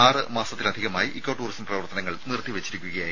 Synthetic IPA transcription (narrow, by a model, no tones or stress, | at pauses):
aːrɨmaːsɐt̪ːilɐd̪ʱiɣɐmaːjiʔikːoʈːuːrismprɐʋɐrt̪ɐnɐŋːɐɭnirt̪ːiʋet͡ɕːiɾikʲːuɣɐjaːj